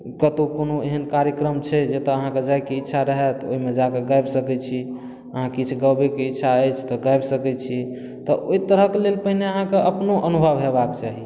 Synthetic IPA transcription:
kət̪okonoeɦənkaɾjəkɾəmt͡ʃʰɛd͡ʒet̪ɔəɦãked͡ʒajkeitːʃʰaɾəɦɛt̪o̰ɦimed͡ʒakeɡajbsəkɛt͡ʃʰi | əɦãkit͡ʃʰuɡəwbekeitːʃʰaəjt͡ʃʰt̪ɔɡajbsəkɛt͡ʃʰi | t̪ɔʔoit̪əɾəkelelpəɦineəɦãkeʔəpnoʔənubʱəbɦebakt͡ʃaɦi

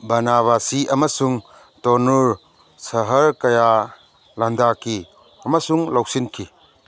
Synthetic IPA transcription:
bɐnaβasiʔɐmɐsuŋ | tɔnuɾ | sɐɦɐɾkɐja | lɐndaki | ɐmɐsuŋlawsinkʰi

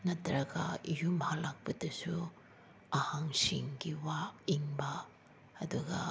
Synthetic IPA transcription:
nɐtʰɐɾɐɡɐijumhalak̚pɐdɐsu | ɐhaŋsḭŋɡiwaiŋbɐː | duɡɐ̰

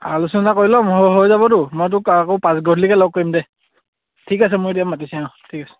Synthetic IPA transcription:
alusunnakojlɔmɦoɦojzabɔdʊmɔjt̬ʊkakoʊpãsɡɔdlikalɔkːoɹimdɛ | tʰikas̬ɛmʊjdiamatisaãtʰikasɛ̥

